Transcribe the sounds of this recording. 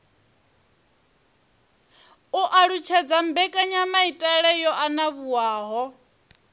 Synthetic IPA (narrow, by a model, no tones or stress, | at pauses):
uʔaɺut͡ʃʰɛd͡zam̩bɛkʼaɲamaitʼaɺɛjɔʔanaβuwaːɦɔ